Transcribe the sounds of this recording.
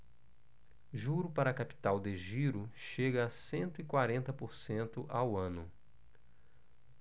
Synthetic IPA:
ʒuɾʊpaɾɐːkapi̥t̪awd̪eʒiɾʊʃeɡɐːsẽnt̪ʊikwaɾẽnt̪ɐpoɾsẽnt̪ʊʔawɐ̃nʊ

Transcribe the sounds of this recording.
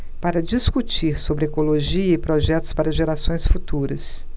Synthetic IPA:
paɾɐd͡ʒiskut͡ʃiɾsobɾɪɛkoloʒiɐɪpɾɔʒɛt̪ʊ̥spaɾɐʒeɾasõj̃sfut̪uɾɐs

